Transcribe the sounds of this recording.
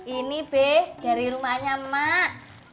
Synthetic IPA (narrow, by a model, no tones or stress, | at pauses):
ʔinib̥ehɡ̥a̤ɾiɾumaɲamaʔ